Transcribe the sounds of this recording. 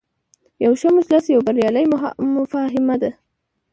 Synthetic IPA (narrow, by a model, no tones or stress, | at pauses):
jawʃamʊslasjawbaɾjɑlajmmʊfaɦɪmad̪a